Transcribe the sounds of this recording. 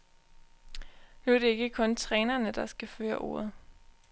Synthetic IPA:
nuæɐɾe̝e̝ɡ̥əkʰɔ̽nt͡sʰʁɛːnɐnəd̥ɑ̈sɡ̥æfø̰ːɐʔo̝̰ːɐð̞̩ˠ

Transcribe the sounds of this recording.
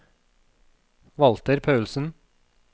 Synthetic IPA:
ʋɑlt̪əɾpʰɑʉlsn̩

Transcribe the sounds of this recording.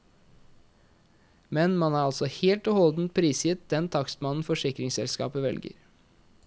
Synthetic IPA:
mɛnmɑnæːɾɑlsɔheːlt̪ʉːhɔld̪n̩t̪̚pʰɾiːsjɪt̪̚d̪ɛnt̪ʰɑksmɑnn̩fɔʂɪkɾɪŋsɛ̰lskɑ̰ːpəʋɛ̰lɡə̰ɾ

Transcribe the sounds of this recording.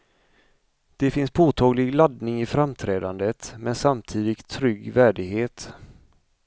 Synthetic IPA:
d̪̥ɛfɪnspʰoːt̪ʰɑːɡlɪɡlad̪nɪŋɪfɾamt̪ʰɾɛːd̪and̪ət̪mɛnsamt̪ʰiːd̪ɪkt̪ʰːɾʏɡːvæːɖɪɡɦeːt̪

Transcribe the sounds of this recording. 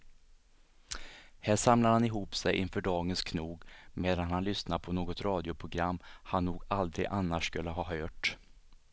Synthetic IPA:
hæːʂamlad̪hanɪɦuːpsɛjʔɪ̰nfœːɖɑːɡənskʰnuːɡmeːd̪anhanlʏsnapʰɔnoːɡɔt̪ɾɑːd̪ɪʊpʰɾʊɡɾamːhanːuːɡald̪ɾɪ̰ɡʔanːaʂːkɵlːəɦɑːɦœːʈ

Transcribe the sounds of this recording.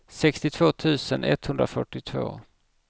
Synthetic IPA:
sɛkst̪ɪt̪ʰv̥oːt̪ʰʉ̟ːsənʔɛ̰t̪ːhɵnd̪ɾafœʈːɪt̪ʰvo̰ː

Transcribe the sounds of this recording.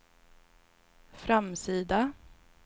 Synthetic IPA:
fɾamsiːd̪a

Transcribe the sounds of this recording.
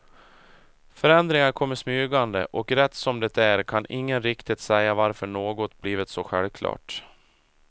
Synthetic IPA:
fœɾɛnd̪ɾɪŋaɾkʰɔmːəʂmyːɡand̪ə̰ʔɔkɾɛt̪ːsɔmd̪ɛt̪æɾkʰanʔɪŋːənɾɪkt̪ɪt̪sɛjːavaɾfœɳoːɡɔt̪bliːvɪt̪sɔɧɛ̰lvkʰlɑ̰ːʈ

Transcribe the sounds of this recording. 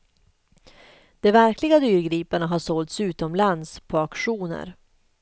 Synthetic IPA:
d̪̥ɛvæɾklɪɡad̪yːɾɡɾiːpaɳaɦaʂɔːlt̪sʉ̟ːt̪ɔmland̪spʰɔakɧuːnə̰ɾ

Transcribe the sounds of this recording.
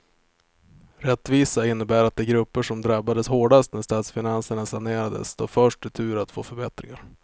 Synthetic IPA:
ɾɛt̪ːviːsaɪnːəbæːɾat̪̚d̪ɛːɡɾɵpːəʂɔmd̪ɾabːad̪əshoːɖast̪næʂt̪ɑːt̪sfɪnansəɳasaneːɾad̪ə̰sd̪ʰo̰ːfœʂʈɪt̪ʰʉ̟ːɾat̪fo̰ːfœɾbɛt̪ɾɪŋaɾ

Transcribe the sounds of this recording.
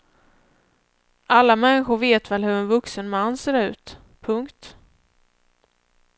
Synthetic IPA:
ʔalːamɛnːɪɧʊɾveːt̪vɛlhɵɾɛnvɵksənmanːseːɾʉ̟ːt̪ | pʰɵŋkt̪

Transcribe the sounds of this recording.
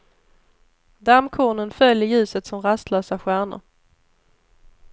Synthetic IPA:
d̪amkʰoːɳənfœljəjʉ̟ːsət̪sɔmɾast̪lœːsaɧæːɳə̰ɾ

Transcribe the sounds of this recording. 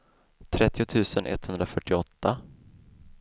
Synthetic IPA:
t̪ʰɾɛt̪ːɪʊt̪ʰʉ̟ːsənʔɛ̰t̪ːhɵnd̪ɾafœʈːɪɔt̪ːa

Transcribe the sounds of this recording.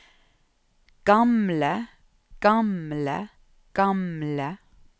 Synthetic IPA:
ɡ̥ɑmlə | ɡ̥ɑmlə̰ | ɡ̥ɑmlə

